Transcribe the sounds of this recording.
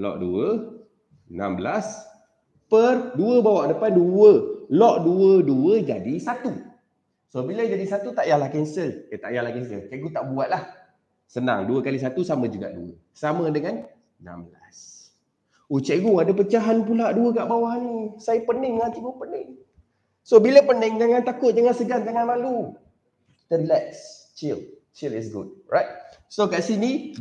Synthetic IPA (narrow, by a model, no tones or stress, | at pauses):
lɔ̰ʔdṵə | na̰mbəlas | pərduəbawaʔdəpanduwəlɔʔduəduəd͡ʒadisat̪u | sobiləd͡ʒadisat̪ut̪aʔjahlahkɛnsəlkat̪a̰ʔjahlakɛnsəlt͡ʃɛʔɡut̪aʔbuat̪̚lah | səna̰ŋduəkalis̬at̪usamə̃d͡ʒuɡa̰ʔduə̰ | samədəŋan | nã̰mbla̰s | ut͡ʃɛʔɡuadəpət͡ʃaɦanpulaʔduəkaʔbawaɦanisajəpənɪŋŋant̪iɡupənɪŋ | sobiləpənəŋd͡ʒaŋant̪akʊt̪̚d͡ʒaŋansəɡaŋd͡ʒaŋanlalu | t̪əɾilɛks | t͡ʃil | t͡ʃilɪsɡṵd̚ɹajt̪̚sokaʔsini